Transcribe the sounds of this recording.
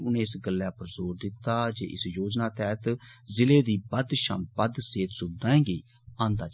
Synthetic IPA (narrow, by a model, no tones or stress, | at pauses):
ʊnẽːɪsɡəlːjaːpəɾzoːɾd̪ɪt̪ːaːd͡ʒḛːʔɪsjoːd͡ʒnaːt̪ɛːt̪zɪleːd̪iːbəd̪ʃə̰mbəd̪seːt̪sʊb̚d̪ãːẽːɡeː | ãːnd̪aːd͡ʒ